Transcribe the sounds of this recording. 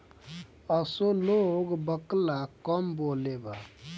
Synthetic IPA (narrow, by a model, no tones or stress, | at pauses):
ʌsoloɡbəklakʌmboleba